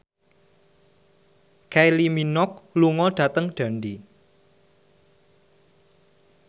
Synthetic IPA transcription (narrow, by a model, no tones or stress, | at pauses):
kajliminɔk̚luŋɔɖ̥ä̤t̪əŋɖ̥a̤ndi